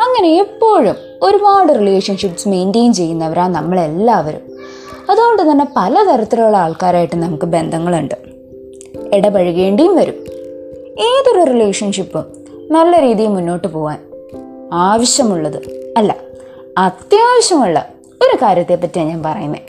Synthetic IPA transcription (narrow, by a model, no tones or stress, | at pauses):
ɐŋːɐne̞ipːo̞ːɻum | o̞ɾupaːɽɨrile̞ːʂɐnʂipːɨ̥sme̞jndejumt͡ɕe̞jːunːɐʋɐɾaːnɐmːɐɭe̞lːaːʋɐɾṵm | ɐðoːoɳɖɨt̪ɐnːe̞pɐlɐt̪ɐɾɐt̪ːɐɾɐɭuɭːeaːɭkaːɾaːjiʈːɨnɐmukːɨbe̞nd̪ʱɐŋːɐɭuɳɖɨ | eɽɐpɐɻuɣe̞ːɳɖijumʋɐɾum | e̞ːðorɐrile̞ːkʂɐnʂipːɨ | nɐlːɐɾiːðijmunːo̞ːʈːɨpo̞ːʋaːn | aːʋɐɕjɐmuɭːɐðɨɐlːɐ̰ | ɐt̪jaːʋɐɕjɐmuɭːɐ̰ | o̞ɾukaːɾjɐt̪ːepːɐtːijaɲaːnpɐrɐjunːḛ